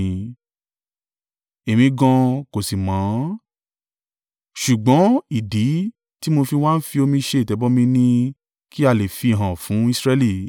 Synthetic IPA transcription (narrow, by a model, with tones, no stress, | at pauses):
e˨mĩ˧ɡã˧ko˨si˨mãː˨˦ | ʃu˨ɡ͡bɔ̃˨˦i˨di˨˦ | ti˦mo˧fi˧w̃a˦n̩˦fi˧o˧mĩ˧ʃe˧˦i˨tɛ˨˦bɔ˦mĩ˧nĩ˧ | ki˦a˦˨le˨fi˧˨ɦã˨fũ˨˦i˦˧sɾɛ˦˧˦li˦˨